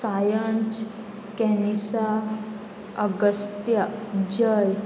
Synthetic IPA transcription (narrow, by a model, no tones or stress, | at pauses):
sajə̃nt͡s | kɛnisa | əɡəst̪jad͡ʑəj